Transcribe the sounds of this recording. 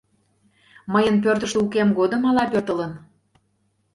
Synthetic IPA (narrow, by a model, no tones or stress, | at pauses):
məjənp̬ørt̪ə̆ʃt̪əukemɡod̪ə̆mɑlɑpørt̪ə̆lən